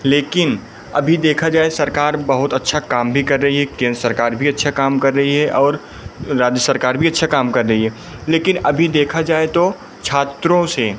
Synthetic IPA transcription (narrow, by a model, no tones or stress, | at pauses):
leːkɪn | ɐ̰bʱid̪eːkʰad͡ʒaːesɐɾkaːɾbɐɦʊt̪ɐtːʃʰakaːmbʱikɐɾːɐɦiɦɛkẽnɾəsəɾkaːɾbʱiɐtːʃʰakaːmkɐɾːɐɦiɦɛʔɔːɾ | ɾaːd͡ʒəsɐɾkaːɾbʱiɐtːʃʰakaːmkɐɾːɐɦiɦɛ | leːkɪnɐbʱid̪eːkʰad͡ʒaːet̪o | t͡ʃʰaːt̪ɾõse